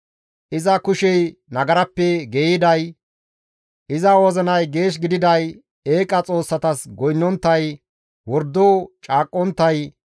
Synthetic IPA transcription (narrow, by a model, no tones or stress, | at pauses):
ʔɪzɐkʊʃɛjnɐɡɐɾɐpːɛɡeːjɪd̪ɐj | ʔɪzɐwɔzɔnɐjɡe̞ːʃ̬ɡɪd̪ɪd̪ɐj | eːkʼɐt͡sʼo̞ːsːɐt̪ɐsɡɔjnːɔnt̪ːɐj | wɔɾd̪ːoːt͡ʃʼaːkʼːɔnt̪ːɐj